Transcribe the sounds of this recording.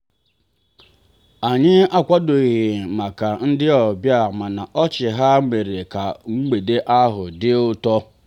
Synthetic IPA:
a˨ɲɪ˦a˦kʷa˦dʊ˨ɣɪ˨ma˨ka˨n̩˦dɪ˦ɔ˨bja˦˨ma˨na˨ʔɔ˦t͡ʃɪ˨ɦa˦me˨ɾe˨ka˨ŋ͡m̩˦ɡ͡be˨de˦ʔa˦ɦʊ̰˨dɪ˦ʊ˦tɔ˦

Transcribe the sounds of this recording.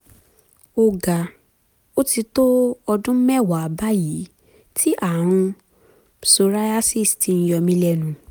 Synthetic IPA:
o˧ɡa˨ | o˦ti˧to˦ɔ˧dũ˦mɛ˦˨wa˨a˨ba˦ji˨˦ | tʰi˦ʔa˦˨w̃ũ˧ | so˧ɾa˦a˦si˦˨sti˧n̩˧jɔ˧mĩ˧lɛ˧˨nũ˨˦

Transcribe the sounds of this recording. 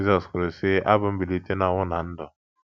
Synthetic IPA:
zɔ˨skɾe˨sɪ˦ʔa˦bʊ˦m̩˦bi˨li˦te˦na˨wʊ˦na˨n̩˦dɔ˨

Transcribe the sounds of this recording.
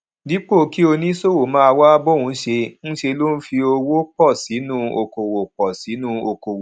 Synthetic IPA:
di˨˦k͡po˦˨ki˦o˧nĩ˦so˦˨wo˨mãː˦a˧wa˦bo˦˨wũ˨˦ʃe˧n̩˦ʃe˧lo˦n̩˦fi˧o˧wo˦k͡pɔ˦˨si˨˦nũ˦o˧ko˨wo˨k͡pɔ˨si˨˦nũ˦o˧ko˨wo˨

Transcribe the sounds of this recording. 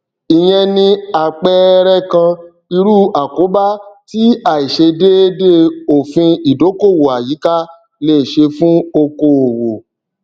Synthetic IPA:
i˨j̃ɛ̃˧nĩ˧a˨k͡pɛ˦ɾɛ˦kã˧ | i˧ɾu˦a˨ko˨˦ba˦ti˦a˨i˨ʃe˧de˦e˦de˦o˨fĩ˧i˨do˨˦ko˦˨wo˨a˨ji˨˦ka˦ | le˦˨ʃe˧fũ˦o˧ko˧o˨wo˨

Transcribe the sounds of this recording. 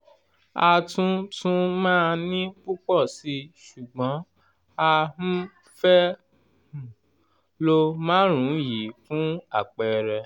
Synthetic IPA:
a˧tũ˦tʰũ˦mãː˦nĩ˦bu˦k͡pɔ˦˨si˧˦ʃu˨ɡ͡bɔ̃˨˦ | a˧h̩˦ | fɛ˦ | hũ˨ | lo˧mãː˦ɾ̃ũ˨˦ji˨˦fũ˦a˦˨k͡pɛ˧ɾɛ˧

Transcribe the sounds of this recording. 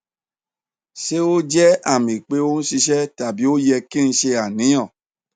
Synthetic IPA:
ʃe˦o˦d͡ʒɛ˦a˦˨mĩ˨k͡pe˨˦o˦ñ̩˦ʃi˧ʃɛ˦ta˨bi˨˦o˦jɛ˧kĩ˦ñ̩˧ʃe˧a˨nĩ˨˦j̃ɔ̃˦˨

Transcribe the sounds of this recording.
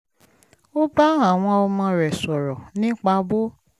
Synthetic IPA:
o˦ba˦a˦˨w̃ɔ̃˧ɔ˧mã˧˦ɾɛ˨sɔ˨ɾɔ˨nĩ˦k͡pa˧bo˦

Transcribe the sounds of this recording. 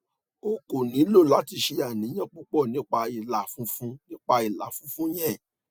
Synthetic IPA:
o˧ko˨nĩ˨˦lo˦˨la˨˦ti˧ʃe˧a˨nĩ˨˦j̃ã˦˨k͡pu˦k͡pɔ˦˨nĩ˨˦k͡pa˧i˨la˨fũ˦fũ˦nĩ˦k͡pa˧i˨la˨fũ˨˦fũ˦j̃ɛ̃˦˨

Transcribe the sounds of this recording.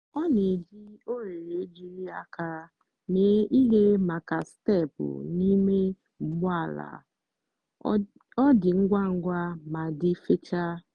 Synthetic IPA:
ɔ˦ne˨d͡ʒi˦o˦ɾe˨ɾe˨e˦d͡ʒi˨ɾi˦a˦ka˦ | me˨˦ʔi˦ɦe˦ma˨ka˨ste˦˨pʊ̰˨ni˦me˦ | m̩˨ɡ͡bʊ˦a˦˨la̰˨ | ɔ˦dɪ˨ŋ̩˦ɡʷa˦ŋ̩˦ɡʷa˦ma˨dɪ˦fe˦t͡ʃa˦

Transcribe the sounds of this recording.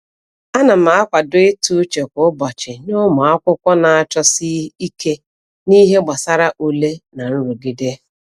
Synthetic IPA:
a˦na˨m̩˨˦a˦kʷa˨dʊ˦ɪ˦tu˦t͡ʃe˨kʷʊ˨˦bɔ˨t͡ʃɪ˨nʊ˦mʊ˨a˦kʷʊ˦kʷɔ˦na˨a˨t͡ʃɔ˦si˦i˦ke˦ | ni˦ɦe˦ɡ͡ba˨sa˦ɾa˦ʔu˨le˦na˨n̩˦ɾu˨ɡi˦de˦

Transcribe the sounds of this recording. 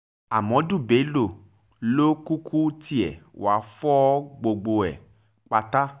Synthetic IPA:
a˨mɔ̃˨˦du˦˨be˨˦lo˨ | lo˦ku˦kʰu˦tʰi˦ɛ˨w̰a˨fɔ˦ɡ͡bo˧ɡ͡bo˧ɛ˨ | k͡pa˧t̪a˦

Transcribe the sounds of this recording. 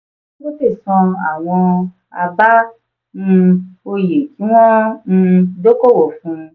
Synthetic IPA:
o˦ti˦˨sɔ̃˧a̰˨w̃ɔ̃˧ | a̰˧ba˦ | ñ̩˧o˧je˨tʰi˨˦w̃ɔ̃˦n̩˧do˦ko˦wo˨fũ˧

